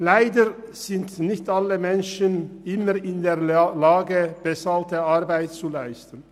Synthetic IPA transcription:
laɪdə | z̥ɪntnɪçtaləmɛnʃənʔɪməʁɪnd̪eːɐlaːɡəb̥əsaltəaʁbaɪtt͡sulaɪstən̩

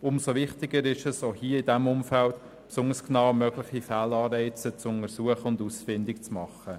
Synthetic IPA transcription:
ʊmsoʋɪχt̪ɪɡəɾɪʃəsoːhiːəɪdæmʊmfælt̪ | psʊnəsknɑʊmœɡlɪχifæːlɑːɾɛɪt͡sət͡sʊnəɾsuəχəʊndusfɪndɪkt͡smɑχə

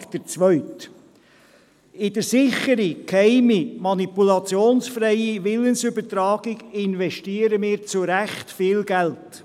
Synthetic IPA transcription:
d̥əɾt͡sʋœʏt | ɪdəɾsɪχəɾikhɛɪmimɑnipulɑt͡sjoːnsfɾɛɪiʋɪlənsʏbətɾɑːɡ̥ɪɡɪnvɛʃtiːəɾəmɪːɾt͡sʊɾæχtfɪːlɡælt

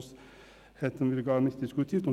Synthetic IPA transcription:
s | heːt̪ənʋɪlɡɑːɾmɪst̪ɪskʉːt̪ʰjɪft̪ɔ

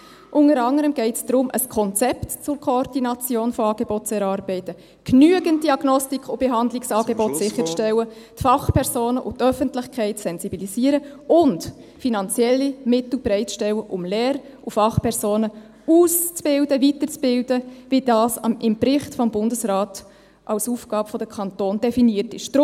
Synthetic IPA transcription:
ʔʊnəɾɑŋəɾəmɡɛɪtsd̥ɾʊmʔə̰skʰɔnt͡sɛptt͡sʊrkʰoɔɾd̥inɑt͡sjoːnfoɑːɡ̥ebɔt̚t͡sɛɾɑɾbɛɪtə | knyəɡənt̚d̥iɑɡ̥nɔstikʰʊb̥eɦɑnd̪lɪksɑːɡebɔtsɪχːəɾt͡sʃtɛwə | tfɑχpʰɛɾzoːnəʔʊ̰tœfəntlɪχkʰɛɪtsɛnz̥ibiliziːəɾəʊnt | finɑnt͡sjɛlːimɪt̪l̩bɾɛɪtt͡sʃtɛwəʔʊmlɛːɾ | ufɑχpʰɛɾsoːnə | uːst͡sb̥ɪldəvitəɾt͡sb̥ɪldəvid̥ɑːsɑ̰ɪmbɾɪχtfɔmbʊndəsɾɑːt | ʔɑwsuːfɡ̥ɑːbfɔd̥̪əkʰɑntoːnd̥ɛfiniːərtɪʃd̥

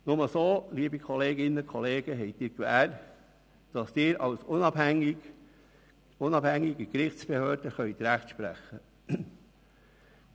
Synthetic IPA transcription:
nʊməsoːliːəbikʰɔleːɡɪnəkʰχɔleːɡ̥əɦɛjtdɪːɾkʋæːɾ | d̥ɑst̪ɪːɾɑ̰wsʊnɑb̥hæŋɪ | ʊnɑb̥hæŋːiɡikɾɪχtt͡sb̥ehøːɾd̥əχœʏt̪ɾæχtʃpɾæ̰χːə

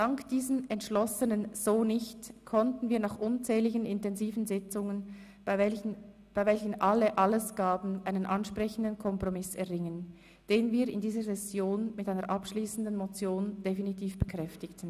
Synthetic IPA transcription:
d̥ɑŋkd̥iːzənɛntʃlɔsənənz̥oːnɪçtkʰɔntn̩viːɐnɑχʔʊnt͡sɛːlɪçənɪntɛnziːvn̩zɪt͡sʊŋən | b̥aɪvɛlçən̩ʔaləʔɑləsɡ̥aːbn̩ʔaɪnənʔɑnʃprɛçən̩dənkʰɔmpʁ̥omɪsɛɐʁɪŋən | d̥eːnviːɪndiːzəzɛsjoːnmɪtʔaɪnəɐɹʔɑpʃliːsn̩dən̩mot͡sjoːnd̥efinitʰiːfb̥əkʁ̥ɛftɪktn̩

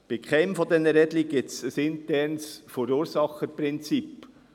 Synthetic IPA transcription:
b̥ɪkχɛɪmfɔd̪ɛnːəɾɛdliɡ̥ɪsəsɪntɛɾnsfoɾuːɾsɑχəpɾɪnt͡sip

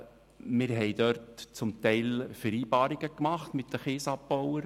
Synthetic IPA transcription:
mɪɾɦɛɪd̪œɾtt͡sʊmt̪ɛɪlfəɾiːbɑːɾiɡ̥əkmɑχt̪mɪt̪d̥əχeːsɑpbɔwəɾ

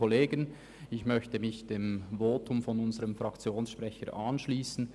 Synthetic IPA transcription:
oleːɡən | ɪçmœçtəmɪçd̥eːmvoːtʊmfɔnʊnzəʁəmfʁɑkt͡sjoːnsʃpʁɛçəʔɑnʃliːsn̩

